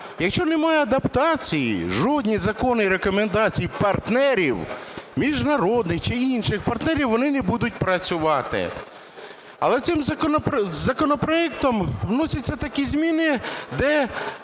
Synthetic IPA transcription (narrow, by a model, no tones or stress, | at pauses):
jɐkʃt͡ʃɔnemɑjɛɐd̪ɐpt̪ɑt͡sʲijḭʒɔd̪ʲnʲizɐkɔnɪiɾe̞kɔmend̪ɑt͡sʲijipɐrt̪nɛɾʲiwmʲiʒnɐɾɔd̪nɪxt͡ʃɪinʃɪxpɐrt̪nɛɾʲiwʋːɔnɪnɛbud̪ʊt̚ʲpɾɐt͡sʲʊʋɑt̪ɪ̰ | ɐ̰lˠɛt̪sɪmpzɐkɔnɔpɾɔɛk̚t̪ɔmʋnɔsʲɐtʲt͡sʲːɐt̪ɐkʲizʲmʲinɪd̪ɛ